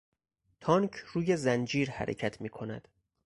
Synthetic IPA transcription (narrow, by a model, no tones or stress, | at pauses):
t̪ʰɒŋcʰruːje̞zænd͡ʒiːɾhæ̰ɾḛcʰæt̪ʰmiːkʰo̞næ̰d̪̥